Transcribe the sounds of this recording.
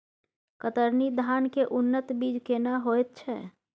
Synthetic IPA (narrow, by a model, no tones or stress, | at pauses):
kət̪əɾnid̪ʱankeʔunːət̪bid͡ʒkenəɦoet̪̚t͡ʃʰɛ̰